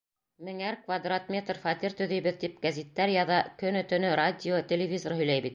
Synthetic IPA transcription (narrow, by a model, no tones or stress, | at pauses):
mɘ̆ŋæɾkvad̪rat̪mʲe̞t̪rfɑt̪iɾt̪ɵ̆ðɘ̆jbɘðt̪ip̚ɡæzʲit̪ːæɾjɑðɑkɵnɵt̪ɵ̆nɵrad̪ʲɪot̪ʲelʲɪvʲizorhɵ̆jlæjbit̪̚